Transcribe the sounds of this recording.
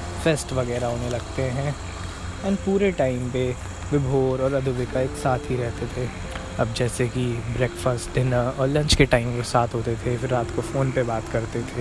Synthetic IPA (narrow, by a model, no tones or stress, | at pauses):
fesʈʋɐɡɛːɾaɦoːnelɐɡt̪eɦɛ̃ | ɛ̃ːnpuːɾeʈaːɪmpe | ʋɪbʱoːɾɔːɾɐd̪ʱubɪkaeːksaːt̪ɦiɾɛɦt̪et̪ʰe | ɐb̚d͡ʒɛːsekibɾeːkfəsʈd̪ɪnaɔːɾlɐ̃nt͡ʃkeʈaːɪmpesaːt̪ʰɦoːt̪et̪ʰefɪɾːaːt̪kofoːnpebaːt̪kɐɾt̪et̪ʰeː